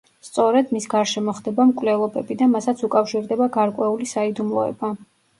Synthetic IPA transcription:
st̪sʼɔɾɛd̪misɡaɾʃɛmɔχd̪ɛbamkʼvlɛlˠɔbɛbid̪amasat̪sʰukʼafʃiɾd̪ɛbaɡaɾkʼwɛulisaid̪umlˠɔ̰ɛ̰ba

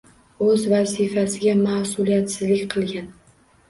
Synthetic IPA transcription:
ɵzvazifasɪɡʲamahsʊlˠijat̪sɪzlɪkʲqʰɨlˠɡʲan

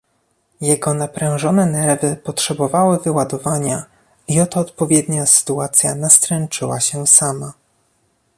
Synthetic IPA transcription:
jɛɡɔnapɾɛ̃w̃ʐɔnɛnɛɾvɘpɔtʂɛbɔvawɘvɘwad̪ɔvaɲa | iɔt̪ɔːt̪pɔvʲjɛd̪ɲasɘ̥t̪uat̪sʲja̰nast̪ɾɛnt͡ʂɘwaɕɛsama

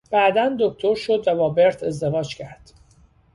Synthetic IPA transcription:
b̥æːd̪ænd̪o̞kt̪ʰo̞ɾʃod̪væbɒːbe̞ɾt̪ʰe̞zd̪e̞vɒːd͡ʒcʰæɾd̪̥

